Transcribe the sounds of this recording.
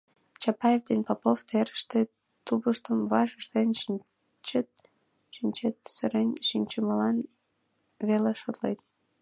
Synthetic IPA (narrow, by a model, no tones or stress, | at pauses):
t͡ɕɑpɑjevd̪enpɑpoft̪eɾəʃt̪e | t̪uβəʃt̪əmvɑʒəʃt̪en | t͡ɕət̪̚ | ʃinʲt͡ɕet̪səɾenʲʃinʲt͡ɕəməlɑn | βeleʃot̪lḛjt̪̚